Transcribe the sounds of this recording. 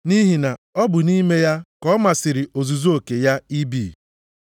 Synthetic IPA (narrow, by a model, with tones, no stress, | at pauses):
ni˦ɦi˨na˨ɔ˦bʊ˨ni˦me˦ja˦kɔ˦ma˨sɪ˨ɾɪ˨o˨zu˨zu˦o˨ke˨ja˦i˦bḭː˨